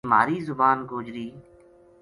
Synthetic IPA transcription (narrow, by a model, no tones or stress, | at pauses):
maːɾiːzʊbaːnɡoːd͡ʒɾiː